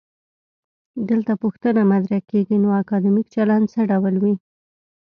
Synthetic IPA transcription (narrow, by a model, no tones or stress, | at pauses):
d̪əlt̪apuxt̪ənamad̪ɾakeɡinoakɑd̪imik̚t͡ʃaland̪səɖawlwi